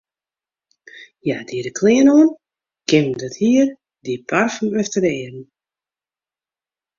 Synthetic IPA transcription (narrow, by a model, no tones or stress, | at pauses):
jadiəɾəkʰlɪənoən | kɪmdɔthiər | dipʰarfənøftəɾɛːrn